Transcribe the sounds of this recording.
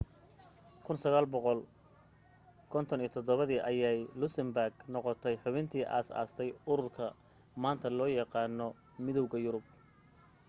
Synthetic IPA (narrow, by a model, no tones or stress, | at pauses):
kʰʊnsɐɣaːlbɔqɔl | kʰɔnt̪ʰɔniːt̪ʰɔd̪ɔβɐðiːʔɐjɛjlʊsɪmbarɡnɔqɔt̪ʰɛjħʊβɪnt̪ʰiːʔa̰ːsa̰ːst̪ʰɛjʊɾʊrkʰɐ | maːnt̪ʰɐlɔːjɑqɑːnɔ | mɪðɔwɣɐjʊɾʊb̚